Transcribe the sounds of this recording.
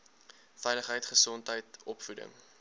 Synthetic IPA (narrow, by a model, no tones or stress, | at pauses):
fɛjləχɦəjtχəsɔntɦəjtɔpfudə̰ŋ